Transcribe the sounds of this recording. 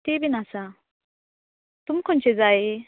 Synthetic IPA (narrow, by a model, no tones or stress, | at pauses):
t̪ibinasa | t̪umkʰɔnt͡ɕed͡zae